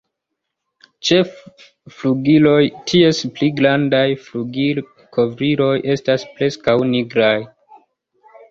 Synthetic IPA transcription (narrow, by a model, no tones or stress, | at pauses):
t͡ʃe̞f | fluɡilo̞jtʰie̞spliɡɾandajfluɡi | kʰo̞vɾilo̞jʔe̞stasple̞skawniɡɾaj